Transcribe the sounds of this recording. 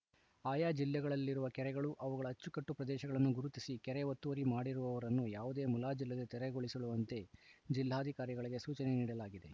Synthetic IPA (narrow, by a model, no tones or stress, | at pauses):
aːjaːd͡ʒilːɛɡɐɭɐlːiɾuʋɐkɛɾɛɡɐɭuʔɐʋuɡɐɭɐːt͡ʃːukɐʈːupɾɐd̪ɛːʃɐɡɐɭɐnːuɡuɾut̪isikɛɾɛʋɐt̪ːuʋɐɾimaːɽiɾuʋɐʋɐɾɐnːujaːʋud̪e̞ːmulaːd͡ʒilːed̪ɐt̪ɛɾɛɡo̞ɭisɐɭuʋɐnt̪e̞d͡ʒilːaːd̪ʱikaːɾjiɡɐɭiɡe̞suːt͡ʃɐneniːɽɐlaːɡid̪e